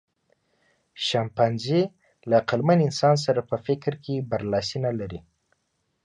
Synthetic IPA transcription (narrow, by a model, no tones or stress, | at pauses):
ʃampanzi | laqalmanɪnsɑns̬aɾapəfɪkɾkʰebaɾlɑsinalaɾi